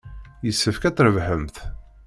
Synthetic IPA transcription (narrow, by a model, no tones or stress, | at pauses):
jəsːəfkæt͡sːɾəvħəmθ